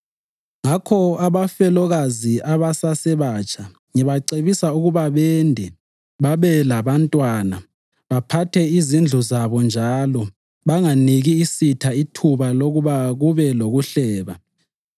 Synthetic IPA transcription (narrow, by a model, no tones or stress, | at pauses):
ŋakʰɔaβafɛlɔɣaziaβasasɛβat͡ʃʰʼa | ŋiβaǀeβisauɣuβaβɛndʱɛ | βaβɛlaβantʼwaːna | βapʰatʰɛizind͡ɮʱuzaβɔnd͡ʒʱalɔ | βaŋaniɣiːsitʰaitʰuβaloɣuβaɣuβɛloɣuɬɛːβa